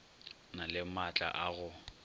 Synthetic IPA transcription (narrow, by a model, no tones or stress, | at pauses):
nalɪmat͡ɬʼa̰ʔaɣʊ